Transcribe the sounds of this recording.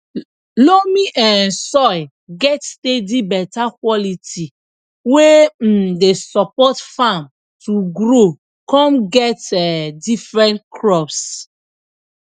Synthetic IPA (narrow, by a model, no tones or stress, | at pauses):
lomiʔɛ̃nsɔj | ɡɛtstedibɛtakwɔlitʰi | wem̩desɔpɔtfãm | tuɡɾo | kɔ̃mɡɛtɛdifɹɛ̃ntkʰɹɔps